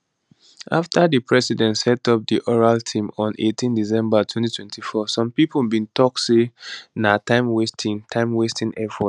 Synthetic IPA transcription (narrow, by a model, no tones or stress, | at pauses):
ʔaftʰadipʰɹɛsidɛ̃ntsɛtɔp̚diʔɔɹaltʰĩmɔ̃nʔḛtʰĩndisɛ̃mbatʰwɛ̃ntitʰwɛ̃ntʰifɔsɔ̃mpipəlbĩntɔk̚senatʰãɪ̃mwestʰĩŋtʰãɪ̃mwestĩŋʔɛfɔt